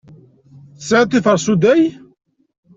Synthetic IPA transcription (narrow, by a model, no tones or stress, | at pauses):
sʕat̪ːiθəɾˤsud̪æj